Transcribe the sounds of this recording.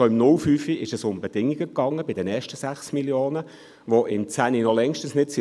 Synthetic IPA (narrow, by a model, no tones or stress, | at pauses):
oɪmnʊlfyːfiɪʃəsʊmbed̥ɪŋːiɡəkːɑŋːəbɪdənɛːɐʃtəsæχsmiljoːnə | ʋoʔɪmt͡sæninɔlɛŋʃtən̩snɪtsi